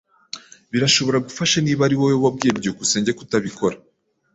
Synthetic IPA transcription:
βiɾaʃo̞βo̞ɾaɡufaʃaniːβaɾiwojoβabɡe̞ːbɟokuse̞ːɲɟe̞ku̥taβiko̞ɾa

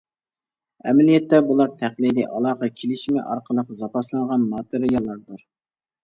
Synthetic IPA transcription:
ɛmɛlijɛt̪ːɛbulˠɑɾt̪ʰæχlid̪ɪʔɑlˠɑːχɑkʲʰelɪʃmɪ̰ʔɑ̰ɾqʰəlˠəqzɑpɑslˠɑɴʁɑnmɑːt̪ɨɾɪjɑlˠːɑɾd̪uɾ

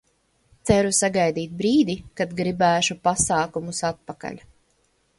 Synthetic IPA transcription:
t̪sæɾusaɡajd̪iːt̪̚bɾiːd̪ikad̪ɡɾibæːʃupasaːkumusat̪̚paka̰ʎʲ

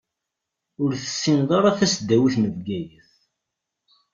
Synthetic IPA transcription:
ʊɾθə̥sːinðˤɑɾˤɑθæsd̪ːæwiθməðɡæjəθ

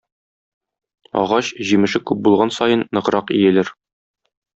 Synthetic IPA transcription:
ɒ̰ʁɑɕʑimɘ̆ʃɘkʉp̚bulˠʁɑnsɒjɤnːɤ̆ʁɾɑqḭjɘ̆lɘɾ

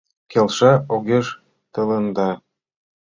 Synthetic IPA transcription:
kelʃɑoɣʲeʒ | t̪ɤ̆lɤ̆nd̪ɑ

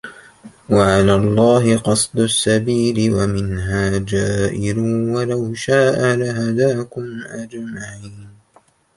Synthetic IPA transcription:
waʕalaːlˤːɑːɦɪqɑsˤd̪ʊsːabiːlɪwamɪnɦaːd͡ʒaːʔɪluːwalawʃaːʔalaɦad̪aːkʊmʔad͡ʒmaʕiːn

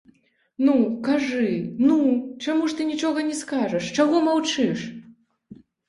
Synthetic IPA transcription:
nukaʐɨnut͡ʂamuʂt̪ɨnʲit͡ʂɔɣɐnʲɛskaʐɐʂt͡ʂaɣɔmawt͡ʂɨʂ

